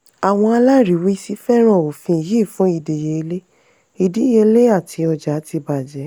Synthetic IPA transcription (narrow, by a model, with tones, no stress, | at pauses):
a˨w̃ɔ̃˧a˧la˦ɾi˨˦wi˦si˦fɛ˦ɾ̃ɔ̃˦˨o˨fĩ˧˨ji˦˨fũ˨˦i˧de˨je˧le˦ | i˧di˨˦je˧le˦a˦˨tʰi˨˧˦ɔ˧d͡ʒa˨˦ti˧ba˨d͡ʒɛ˨˦